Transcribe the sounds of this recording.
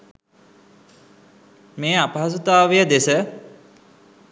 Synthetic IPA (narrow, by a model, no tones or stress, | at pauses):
meːapɐɦas̬ut̪aːʋijəd̪esə